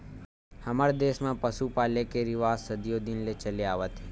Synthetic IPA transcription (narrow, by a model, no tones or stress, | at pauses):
hɐməɾd̪eːsmãpəsupaːlekeɾɪʋaːssəd̪ijod̪ɪnlet͡ʃəleaːʋət̪ɦe